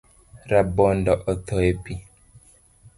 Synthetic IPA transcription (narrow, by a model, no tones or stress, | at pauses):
ɾabɔndɔʔɔt̪ʰɔepi